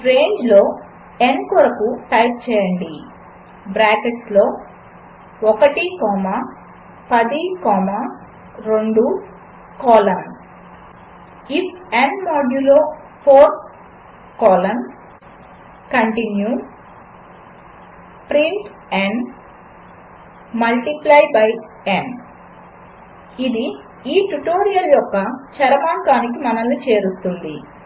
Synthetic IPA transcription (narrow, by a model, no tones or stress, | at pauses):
ɾe̞ːɲd͡ʒlo̞ː | enkɔɾɐkuʈɐjp̚t͡ʃɛːjɐɳɖi | bɾaːkeʈlo̞ː | ɔkɐʈikɔːma | pɐd̪ikɔːma | ɾoɳɖu | kɔːlɐm | ipʰenmaːɖjuloː | pʰoːɾt̪̚ | koːlɐn | kɐɳʈinju | pɾiɳʈ | eɳɖ | mɐlʈiplɐjbɐj | en | id̪i | iːʈuʈoːɾijɐljɔkːɐt͡ʃɐɾɐmaːŋkaːnikimɐnɐlːut͡ʃeːɾut̪und̪i